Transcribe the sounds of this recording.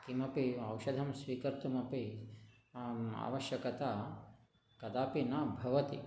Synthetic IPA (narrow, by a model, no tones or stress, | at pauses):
kimɐpiɐwʃɐd̪ʱɐmsʋiːkɐɾt̪umɐpi | a̰ːʋɐʃjɐkɐt̪a | kɐd̪aːpinaːbʱɐʋɐt̪ḭ